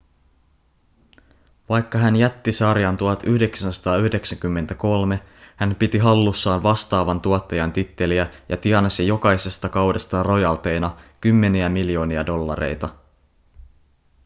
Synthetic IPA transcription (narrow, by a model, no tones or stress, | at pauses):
ʋɑjkːɑɦænjæt̪ːisɑrjɑnt̪uɑt̪yhde̞ksænsɑ̥t̪ɑːyhde̞ksæŋkymːent̪æko̞lme̞ | hænpit̪iɦɑlːusːɑːʋʋɑst̪ɑːʋɑnt̪uot̪ːɑjɑnt̪it̪ːe̞liæjʔɑt̪iɑnɑsijo̞kɑjse̞st̪ɑkɑwdest̪ɑro̞jɑlt̪e̞jnɑkymːe̞niæmiljo̞ːniɑdo̞lːɑ̰ɾḛjt̪ɑ